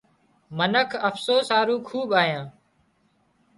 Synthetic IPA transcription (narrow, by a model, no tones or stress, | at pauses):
mənəkʰəfsoːsaːɾuːkʰuːɓaːjãː